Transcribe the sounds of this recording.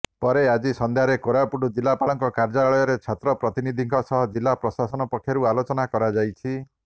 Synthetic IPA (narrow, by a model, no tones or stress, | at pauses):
pɔɾead͡ʒisɔnd̪ʱjaɾekoɾapuɖud͡ʒilːapalɔŋkɔkaɾd͡ʒaaɭɔjɔɾet͡ʃʰat̪ɾɔpɾɔt̪inid̪ʱiŋkʰɔsɔɦɔd͡ʒilːapɾɔsasɔnɔpɔkʰːjaɾualot͡ʃɔnakɔɾad͡ʒajt͡ʃʰi